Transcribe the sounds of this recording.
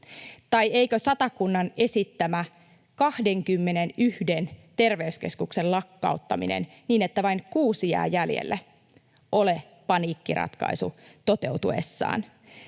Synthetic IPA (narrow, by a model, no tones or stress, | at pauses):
t̪ɑjeikøsɑt̪ɑkunːɑne̞sit̪ːæmæ | kɑhde̞ŋkymːe̞nenyhdent̪e̞rʋeyske̞̰skukse̞llɑkːɑ̰ut̪ːɑmḭnḛn | niːnet̪ːæʋɑiŋkuːsiæ̰ːjæljḛlːæ | ʔo̞le | pɑniːkːirɑ̰t̪kɑ̰isṵt̪ot̪e̞ut̪uḛsːɑ̰ːn